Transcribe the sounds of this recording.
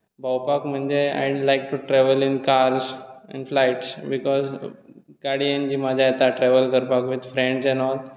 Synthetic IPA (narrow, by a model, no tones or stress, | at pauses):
bawpakm̤əɳd͡ʑea̰jlajk̚ʈuʈɾɛʋəlinkaɾsɛ̰̃nflajʈsbikɔzkaɽiənd͡ʑiːmad͡ʑʱaet̪aʈɾɛʋəlkəɾpakʋid̪fɾẽɳɖsɛ̃nɔl